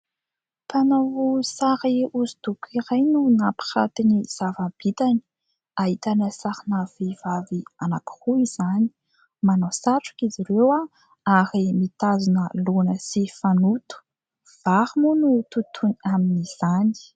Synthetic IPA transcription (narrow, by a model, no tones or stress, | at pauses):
panawusaɾiuzut̪ukʲʰiɾajnunapi̥χa̰t̪iniz̥avab̥it̪ani̥ | ait̪anəsaɾinavivavianaki̥ruiz̥ani̥ | manawsaʈ͡ʂu̥kiziɾewa | aɾimit̪azunəlonəsifanut̪u̥ | v̥aɾimunut̪ut̪ʰunaminiz̥ani̥